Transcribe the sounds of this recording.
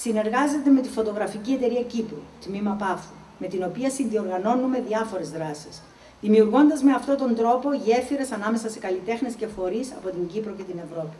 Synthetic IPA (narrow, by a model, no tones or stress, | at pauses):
sine̞ɾɣɐze̞t̪e̞me̞t̪ifo̞t̪o̞ɣɾɐficie̞t̪e̞ɾiɐcipɾut̪mimɐpɐfu | me̞t̪ino̞piɐsinðio̞ɾɣɐno̞nume̞ðiɐfo̞ɾe̞zðɾɐsis | ðimiuɾɣo̞nd̪ɐzme̞ɐft̪o̞t̪o̞nd̪ɾo̞po̞ʝieɾfiɾe̞sɐnɐme̞sɐse̞kɐlit̪e̞xne̞sce̞fo̞ɾisɐ̰po̞t̪iɲɟipɾo̞ce̞t̪ine̞vɾo̞pi̥